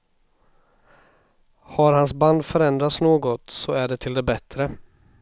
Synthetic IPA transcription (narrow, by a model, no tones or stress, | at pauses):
haɾhansband̪fœɾɛnd̪ɾat̪snoːɡɔt̪sɔæɖɛt̪ʰɪld̪ɛbɛt̪ɾə